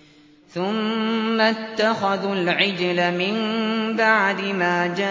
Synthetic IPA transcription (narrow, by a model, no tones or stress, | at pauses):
θʊmːat̪ːaxaðlʕɪd͡ʒlamɪmbaʕd̪ɪmaːd͡ʒa